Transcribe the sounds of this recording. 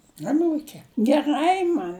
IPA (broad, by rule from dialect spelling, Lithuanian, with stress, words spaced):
ɐˈnuːkʲeː ɡʲɛˈrɐɪ mɐn